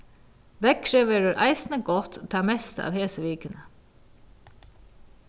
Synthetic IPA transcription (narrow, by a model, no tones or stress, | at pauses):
ʋɛɡ̚kʰɾɛʋeːɾəɾʔæ̰ɪsnəɡɔt̪t̪ʰːɑːmɛst̪əɑ̰ːʋheːsəʋiːkənə